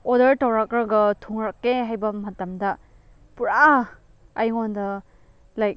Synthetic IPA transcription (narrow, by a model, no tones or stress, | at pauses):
ɔdɐɾtawɾakɾɐɡɐtʰuŋɾakːeɦajbɐmɐtɐmdɐ | puɾa | ajŋondɐ | lajk̚